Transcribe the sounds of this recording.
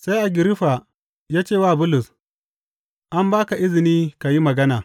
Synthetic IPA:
sa˦jʔa˨ɡʲɪ˨ɾɪ˦ɸa˨ | jaː˦t͡ʃeː˦˨waː˦˨bʊ˦lʊ˨s | ʔa˦mbaː˦ka˨ʔɪ˦zɪ˨niː˦ka˨ji˦mɐ˨ɡɐ˦naː˨

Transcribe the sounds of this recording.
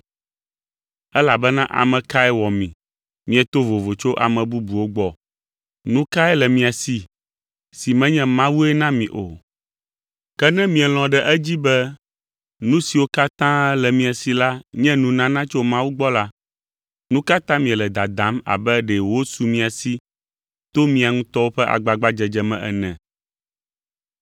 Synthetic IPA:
ɛ˦la˨bɛ˦nã˦ʔa̰˨mɛ̃˨ka˦ɛ˦wɔ˨mĩ˨ | mĩ˨ɛ˨t̪o˦vo˨vo˨t͡ʃo˦ʔa̰˨mɛ̃˨bu˦bu˨wo˦ɡ͡bɔ˨ | nũ˦ka˦ɛ˦lɛ˨mĩ˨a˨si˨ | si˨mɛ̃˦ɲɛ̃˦mã˦wu˦ɛ˦nã˦mĩ˨ʔo̰˨ | kɛ˦nɛ̃˦mĩ˨ɛ˨l̃ɔ̃˨ɖɛ˨ʔɛ˦d͡ʑi˦bɛ˦ | nũ˦si˨wo˦ka˦t̪ã˦lɛ˨mĩ˨a˨si˨la˦ɲɛ̃˦nũ˨nã˦nã˦t͡ʃo˦mã˦wu˦ɡ͡bɔ˦la˦ | nũ˦ka˦t̪ã˦mĩ˨ɛ˨lɛ˨d̪a˨d̪ã˦ma̰˨bɛ˦ɖɛ˨wo˦su˨mĩ˦a˨si˦ | t̪o˦mĩ˨a˨ŋũ˦t̪ɔ˦wo˦ɸɛ˦ʔa̰˨ɡ͡ba˨ɡ͡ba˦d͡ʒɛ˨d͡ʒɛ˨mɛ̰̃˨ʔɛ̰˨nɛ̰̃˨

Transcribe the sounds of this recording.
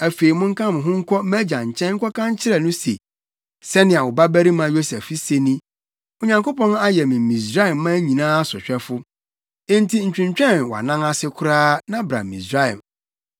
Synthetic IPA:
æ˨fe˨i˨mʊ̃˦ŋ̩˦kʰã˦m̃˨ɦʊ̃˦ŋ̩˦kʰʷɔ˦mæ˦d͡ʑa˨ɲ̩˨t͡ɕʰɛ̃˦nŋ̩˦kʰɔ˦kʰã˦ɲ˦t͡ɕʰɪ˦ɾɛ˦˨nʊ̃˦se˨ | sɛ˦nɪ̃˨a˨wʊ˨ba˦bæ˦ɾi˦mã˨˦jo˦sɛ˨fi˦se˨nĩ˦ | o˨ɲã˨ŋko˦pɔ̃˦na˦jɛ˨mɪ̃˨mĩ˨s̬ɾa˦ɛ˨mː˦ã˦ɲĩ˨nãː˦a˦sʊ˨ɕᶣɛ˦fʊ̃˦ | n˦tʰi˦ɲ̩˨t͡ɕᶣɪ̃˨ɲt͡ɕᶣɛ̃˦˨nwa̰˨nã˦ŋa˦sɪ˦kʰʊ˦ɾaː˦nã˦bɾa̰˨mḭ̃˨sɾa˦˨ɛ̰˨m

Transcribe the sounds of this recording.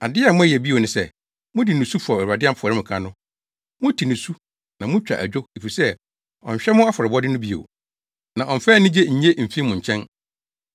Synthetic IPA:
a˨dɪ˦a˨mʊ̃˦æ˦jɛ˨bi˦o˨nʊ̃˦sɛ˦˨ | mʊ̃˦di˨nʊ̃˨su˦fɔ˨æ˨a˨dɪ˦a˦mpɔ˨ɾɪ˦m̩̃˨kʰã˦nʊ̃˦ | mʊ̃˦tʰi˨nʊ̃˨su˦ | nã˨mʊ̃˦t͡ɕᶣa̰˨ʔæ̰˨d͡ʑᶣo˦e˨fi˨sɛ˦ | ɔ̰̃˨ɲ̩˨ɕᶣɛ˦mʊ̃˦a˦fɔ˨ɾɪ˨bɔ˦dɪ˦nʊ̃˦bi˦o̰˨ | nã˨ɔ̃˨m̩˨fɛː˦nɪ̃˦d͡ʑe˦ɲ̩˨ɲe˦m̩˨fĩ˦mʊ̃˨ɲ̩˨t͡ɕʰɛ̃˦n

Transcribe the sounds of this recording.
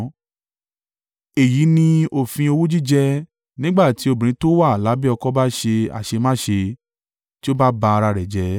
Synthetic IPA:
e˨ji˨˦nĩ˧o˦˨fĩ˧o˧wu˦d͡ʒi˦d͡ʒɛ˧ | nĩ˦ɡ͡ba˦˨ti˨˦o˦˨bĩ˨ɾ̃ĩ˨˦to˦wa˦˨la˨˦bi˦ɔ˧kɔ˦ba˦ʃe˧a̰˨ʃe˧mãː˦ʃe˧ | ti˦o˦ba˦ba˧a˧ɾa˧ɾɛ˨d͡ʒɛ˨˦

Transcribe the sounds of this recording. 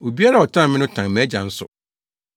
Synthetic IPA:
o˨bi˦a˦a˦˨ɔ˨tʰã˦˨mɪ̃˦nʊ̃˦tʰã˨ŋmæ̃˨˦d͡ʑã˨n̩˦sʊ̰˨

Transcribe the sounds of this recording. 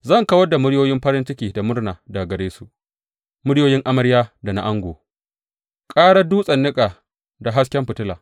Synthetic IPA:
zɐ˦˨ŋkɐ˦wɐ˦da˨mʊ˦ɽjoː˦jɪ˦mɸɐ˦ɾɪ˦nt͡ʃɪ˦kʲiː˨da˨mʊ˦rnaː˨daː˨ɡɐ˨ɽeː˦su˨ʔ | mʊ˦ɽjoː˦jɪ˦ŋʔa˦mɐ˦ɾjaː˦da˨na̰˦ʔa˦ŋɡʷoː˨ | kʼaː˦ɽɐ˦duː˦sʼɐ˨nːɪ˦kʼaː˨ | da˨ɦa˦skʲɛ˦mɸɪ˨tɪ˦la̰ː˨

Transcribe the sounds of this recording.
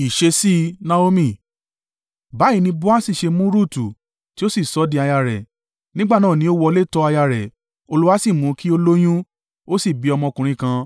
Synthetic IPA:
i˨ʃe˧si˦nã˦o˧mĩ˦˨ | ba˨˦i˦˧nĩ˧bu˦a˦si˦˨ʃe˧mũ˦ɾu˦˨tu˨ | ti˦o˦si˦˨sɔ˨˦di˧a˧ja˧ɾɛ̰˨ | nĩ˦ɡ͡ba˦˨nãː˦˨nĩ˨˦o˦wɔ˧le˦˨tɔ˧˦a˧ja˧ɾɛ˨ | o˧lu˦wa˦si˦˨mũ˨˦kʰi˦o˧lo˦j̃ũ˦ | o˦si˦˨bi˨˧ɔ˧mɔ̃˧kũ˨ɾ̃ĩ˧kã˧

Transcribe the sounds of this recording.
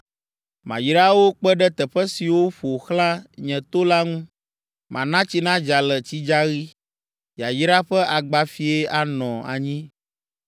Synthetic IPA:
mã˨ji˦ɾa˦wo˦k͡pɛ˦ɖɛ˦t̪ɛ˨ɸɛ˦si˨wo˦ɸo˨xlã˦ɲɛ̃˨t̪o˦la˦ŋũ˦ | mã˨nã˦t͡ɕi˦nã˦d͡ʒa˨lɛ˨t͡ɕi˦d͡ʒa˦ɣi˦ | ja˨ji˦ɾa˦ɸɛ˦ʔa˨ɡ͡ba˦fi˦e˦a˨nɔ̃˨a̰˨ɲĩ˦

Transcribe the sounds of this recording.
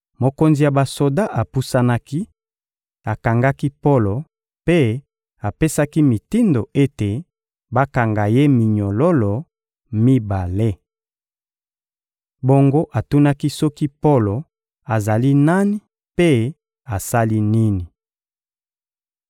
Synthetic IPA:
mo˨ko˦nzi˨ja˨ba˨so˨da˦ʔa˨pu˦sa˦na˦ki˦ | a˨ka˨ŋɡa˦ki˦po˦lo˨ | pe˦ | a˨pe˦sa˦ki˦mi˨ti˦ndo˨e˦te˨ | ba˦ka˨ŋɡa˨je˦mi˨ɲo˨lo˦lo˨ | mi˦ba˨le˦ | bo˦ŋɡo˦ʔa˨tu˦na˦ki˦sɔ˦ki˦po˦lo˨ | a˨za˨li˦na˦ni˨˦ | pe˦ | a˨sa˦li˦ni˦ni˨

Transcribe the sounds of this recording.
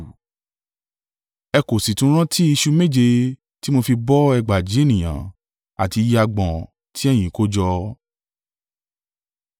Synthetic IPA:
ɛ˧ko˨si˨tũ˨˦ɾ̃ã˦tʰi˦i˧ʃu˧me˦˨d͡ʒe˧ | ti˦mo˧fi˧bɔ˦ɛ˧ɡ͡ba˨d͡ʒi˨˦e˦nĩ˨j̃ã̰˨˦ | a̰˨ti˧ji˧a˧ɡ͡bɔ̃˨ | tʰi˦ɛ˦˨j̃ĩ˨˦ko˦d͡ʒɔ˧

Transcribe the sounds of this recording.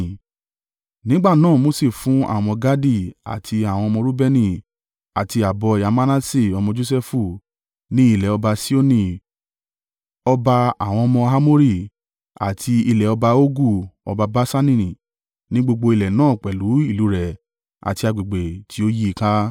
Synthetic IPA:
nĩ˨˦ɡ͡ba˦˨nãː˦˨mo˦se˦˨fũ˨˦a̰˦˨w̃ɔ̃˧ɡa˦di˦˨a̰˨tʰi˧a˨w̃ɔ̃˧mɔ̃˧ɾu˦bɛ˦nĩ˦˨ | a˨ti˧a˨bɔ˧i˨a˨˧ma˦nã˦si˦˨ɔ˧mɔ̃˧d͡ʒo˦sɛ˦fu˧˨ | nĩ˦i˦˨lɛ˨ɔ˧ba˧si˦o˦nĩ˧˨ | ɔ˧ba˧a˨w̃ɔ̃˧ɔ˧mɔ̃˧ɦa˦mo˦ɾi˦˨ | a̰˨tʰi˧i˧lɛ˨ɔ˧ba˧o˦ɡu˦˨ɔ̰˧ba˧ba˦sa˦nĩ˦˨ɾĩ˨ | nĩ˦ɡ͡bo˧ɡ͡bo˧i˧lɛ˨nãː˦˨k͡pɛ˨lu˨˦i˦˨lu˨˦ɾɛ˨ | a̰˨ti˧a˧ɡ͡bi˨ɡ͡be˨tʰi˨˦o˦ji˦i˧ka˦

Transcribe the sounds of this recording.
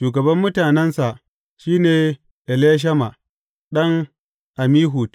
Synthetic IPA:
ʃuː˨ɡɐ˨bɐ˦mːʊ˦taː˨nɛ˦nsa˨ʔ | ʃiː˦neː˨ | ʔɛ˨leː˦ʃ̬ɐ˦ma˨ | ɗɐ˦ŋ | ʔa˨miː˦ɦu˨t

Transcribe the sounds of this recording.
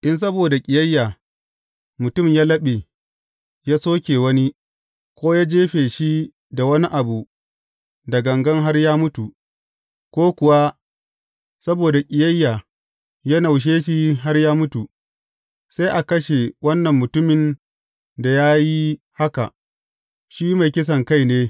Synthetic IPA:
ʔɪ˦ns̬ɐ˦boː˨da˨kʲʼɪ˨jɐ˦jːaː˨ | mʊ˨tʊ˦˨mjaː˦lɐ˦ɓe˨ | jaː˦soː˦kʲeː˨wɐ˦ni˦ | kʷoː˦jaː˦d͡ʒeː˦ɸeː˨ʃi˦ | da˨wɐ˦ni˦ʔa˨bu˨ | da˨ɡɐ˨ŋɡɐ˦ŋɦa˦rjaː˦mʊ˦tu˨ | kʷoː˦kʷʊ˨wa˦ | sɐ˦boː˨da˨kʲʼɪ˨jɐ˦jːa˨ | ja˦na˨wʃ̬eː˦ʃi˦ɦa˦rjaː˦mʊ˦tu˨ | sa˦jʔa˨kɐ˦ʃe˨wɐ˦nːɐ˨mːʊ˨tʊ˦mɪ˨n | da˨jaː˦ji˦ | ha˦ka̰˨ | ʃi˦ma˨jkʲɪ˦s̬ɐ˨ŋka˦˨jneː˦

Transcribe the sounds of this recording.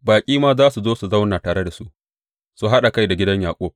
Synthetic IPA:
baː˨kʲʼiː˦maː˦zaː˦su˨zoː˦su˨za˦wnaː˨taː˨ɽe˦da˨su˦ʔ | su˦ɦa˦ɗa˨ka˦jda˨ɡʲɪ˦dɐ˦ɲjaː˨kʷʼoː˦

